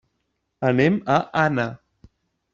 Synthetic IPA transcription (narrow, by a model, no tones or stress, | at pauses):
anemaʔana